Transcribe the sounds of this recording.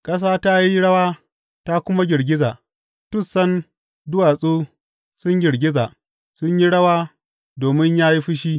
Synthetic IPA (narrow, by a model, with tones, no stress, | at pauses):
kʼɐ˦s̬aː˦ta˦ji˦ɽɐ˦waː˦ | ta˦kʷʊ˦ma˦ɡʲɪ˨ɽɡʲɪ˦zaː˨ | tʊ˦sːɐ˦n | dʊ˦wa˨sʼuː˦ | sʊ˦ɲɡʲɪ˨ɽɡʲɪ˦zaː˨ | sʊ˦ɲji˦ɽɐ˦waː˦ | doː˨mɪ˦ɲjaː˦ji˦ɸɪ˦ʃ̬iː˦